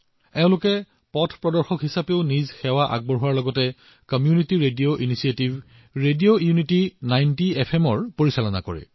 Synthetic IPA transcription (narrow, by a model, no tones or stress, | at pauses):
ɛʊ̃lʊkɛ | pɔtʰpɹɔdɔɹxɔkɦisapeʊnizxɛwaʔa̰ɡ̚bɔɹɦuwaɹlɔɡɔtɛ | kɔmjunitiɹedioʔinisietiv | ɹediojunitinajntiɛpʰɛmɔɹpoɹisalɔna̰kɔ̰ɹɛ̰